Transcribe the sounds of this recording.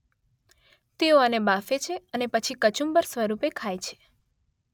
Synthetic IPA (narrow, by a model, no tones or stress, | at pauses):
t̪eoənebafet͡ʃʰeənepət͡ʃʰikət͡ʃumbəɾsʋəɾupekʰajt͡ʃʰe̥